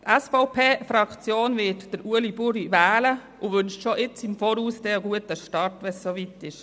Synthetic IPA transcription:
t̪ɛsfɔʊpʰeːfɾɑkt͡sjoːnvɪtd̥əɾʔuəlibʊɾiʋɛːlə | ʊʋʏnʃtʃoʔɪt͡sɪmfɔːɾuːsd̥ɛəɡuətəʃtɑɾtʋɛssoʋitɪʃ

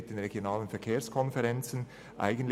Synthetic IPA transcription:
t̚d̥eːnʁeɡjonaːlənfɛɐkʰeːɐskʰɔnfɛʁɛnt͡sn̩ | ʔa̰ɪɡən̩tl

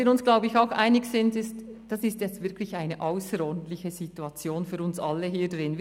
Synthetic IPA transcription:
iːɾʊnsɡ̥laʊbəɪçaʊxʔa̰ɪnɪçsɪntɪstd̥ɑsɪstjɛt͡stvɪɾkʰlɪçaɪnəʔaʊsəɾɔɾdn̩t̪lɪçəzituɑt͡sjoːnfyːɾʊnsʔɑlːəɦiːdʁɪnv

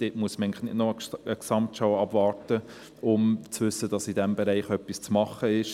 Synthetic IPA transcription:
d̥etmuəsmæɪŋləχnɪdnɔəəksɑmtʃɑwɑb̥vɑːɾtə | ʊmt͡sʋʏsədɑsidɛmbɛɾɛɪχœpːist͡smɑχəɪʃ

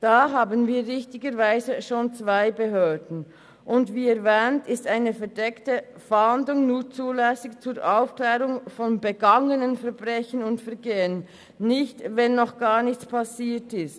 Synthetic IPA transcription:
d̥aːɦaːbənviːʁɪçtɪɡəɾvaɪzəʃoːnt͡sv̥aɪbəɦøːdn̩ | ʔʊndviːɛɾvɛːntɪstaɪnəfɛɐdɛktə | fɛhandlʊŋnuːt͡suːlɛsɪçt͡suːɾʔaʊfklɛːʁʊŋfɔnbəɡaŋənənfɛɐbʁɛçənʊntfɛɐɡeːənː | ɪçtvɛnːɔχɡ̥aːnɪçt͡spʰasiːtɪst

